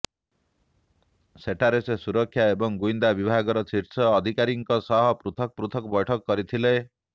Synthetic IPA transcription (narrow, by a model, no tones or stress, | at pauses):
seʈaɾesesuɾɔkʰːjaebɔŋɡuind̪abibʱaɡɔɾɔt͡ʃʰiɾt͡ʃʰɔːd̪ʱikaɾiŋkɔsɔɦɔpɾut̪ʰɔk̚pɾut̪ʰɔkɔbɔjʈʰɔkɔːɔɾit̪ʰile